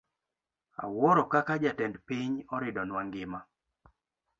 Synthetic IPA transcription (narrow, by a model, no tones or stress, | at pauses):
a̰wɔɾɔkakad͡ʒatɛndpɪɲɔɾɪdɔnwaŋɡɪma